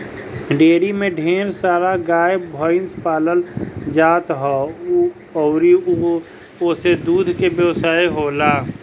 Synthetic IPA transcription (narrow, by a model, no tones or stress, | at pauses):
ɖeːɾimẽɖʱeːɾsaːɾaɡaːjbʱɔːɪnspaːləld͡ʒaːt̪ɦɔː | ɔʊɾi | ʊsed̪uːd̪ʱkebjəwsaːiɦoːlaː